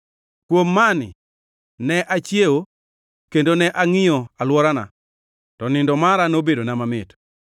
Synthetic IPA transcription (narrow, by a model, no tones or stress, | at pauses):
kwomːanɪ̰ | nɛʔat͡ʃjeo | kendonɛʔaŋɪjɔalwɔɾana̰ | tɔnɪndɔmaɾanobedonamamɪt